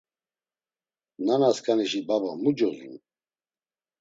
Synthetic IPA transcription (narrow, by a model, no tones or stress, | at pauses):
nanaskʼaniʃibabamud͡ʒɔzṵn